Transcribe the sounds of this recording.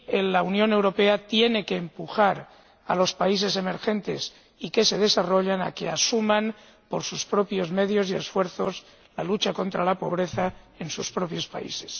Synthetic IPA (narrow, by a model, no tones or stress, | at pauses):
enlaunjõ̞ne̞wɾo̞pe̞at̪je̞ne̞ke̞ːmpuxaɾ | a̰lo̞spais̬e̞s̬e̞me̞ɾxẽ̞nt̪e̞s | ike̞se̞ð̞e̞saro̞ʎana̰keasumãn | po̞ɾsuspɾo̞pjo̞zme̞ðjo̞sie̞̰sfwe̞ɾθo̞s | lalut͡ʃako̞nt̪ɾalapo̞β̞ɾe̞θa | e̞nsuspɾo̞pjo̞spa̰ḭse̞̥s